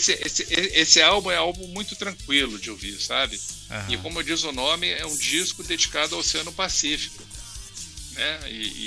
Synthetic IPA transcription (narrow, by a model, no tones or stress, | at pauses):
sɪʔesɪʔeesɪawbũɛawbũmũj̃t̪ʊt̪ɾɐ̃ŋkwilʊd͡ʒɪowviɾsabɪ̰ | ɪkõmʊed͡ʒizʊnõmɪɛũd͡ʒiskʊd̪ed͡ʒikad̪ʊawsẽnʊpasifi̥kʊ | nɛɪ̰ɪ̰